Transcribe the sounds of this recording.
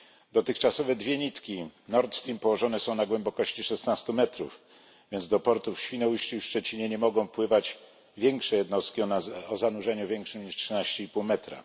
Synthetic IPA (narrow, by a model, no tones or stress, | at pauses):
d̪ɔt̪ɘxt͡ʂasɔvɛd̪vʲjɛɲit̪kʲinɔɾt̪st̪impɔwɔʐɔnɛsɔ̃w̃naɡwɛmbɔkɔɕt͡ɕiʂɛsnast̪umɛt̪ɾṵf | vʲjɛnd̪zd̪ɔpɔɾt̪ufɕfʲinɔwuɕt͡ɕifʂt͡ʂɛt͡ɕiɲɛɲɛmɔɡɔ̃w̃pwɘvad͡ʑ | vʲjɛŋkʂɛjɛd̪nɔst̪̚kʲiɔɔzanuʐɛɲuvʲjɛŋkʂɘmɲiʂtʂɘnaɕt͡ɕɛipuwmɛt̪ɾa̰